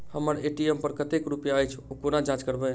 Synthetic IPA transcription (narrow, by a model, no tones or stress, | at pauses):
həməɾeʈiempəɾkət̪ekɾupjaəjt͡ʃʰukonad͡ʒãt͡ʃkəɾbɛ